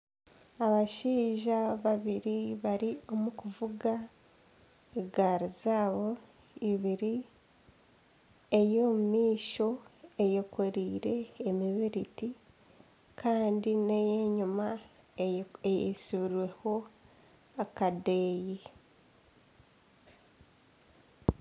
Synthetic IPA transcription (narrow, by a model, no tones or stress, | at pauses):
aβaʃiːʒaβaβiɾiβaɾio̞mukuvuɡa | eɡaːɾizaːβo̞ | iβiɾi | ejo̞mumiːʃo̞ejokʰo̞ɾiːɾe̞ːmiβiɾiti | kʰaːndinejeːɲuma | ejḛsiβiɾwe̞ho̞ | akadeːji